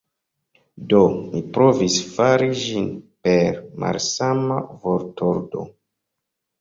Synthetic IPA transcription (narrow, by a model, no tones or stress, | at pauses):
domipɾovisfaɾid͡ʒinpeɾma̰lsamavoɾtʰoɾdo̞̰